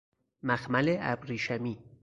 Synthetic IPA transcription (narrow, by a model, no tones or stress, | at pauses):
mæxmæleæ̰bɾiːʃæmiː